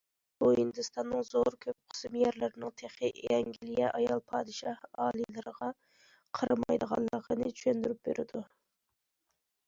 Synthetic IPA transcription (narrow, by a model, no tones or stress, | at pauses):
b̥uhind̪ɨst̪ʰɑnːɨŋzoɾkʲʰøp̚qʰə̥smjɛɾlɪɾɪnɨŋt̪ʰeχɪjɛŋɡʲilijɛʔɑjɑlˠpʰɑːd̪ɨʃɑhɑːlˠilˠɨɾəʁɑ | qʰəɾɨmɑjd̪əʁɑ̰nlˠːəʁʰənɨt͡ʃʰy̥ʃønd̪yɾyp̚beɾɪ̰d̪u